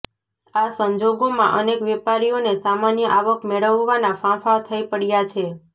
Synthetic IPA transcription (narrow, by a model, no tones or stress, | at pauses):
asəɲd͡ʒoɡomã̰ʔənekʋepaɾijonesamanjəʔaʋəkmeɭəʋːanafãfat̪ʰəipəɽjat͡ʃʰe